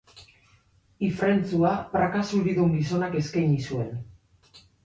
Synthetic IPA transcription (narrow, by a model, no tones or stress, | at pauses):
ifɾe̞nt͡suapɾakasuɾiðuŋɡis̬o̞nake̞skajɲisue̞n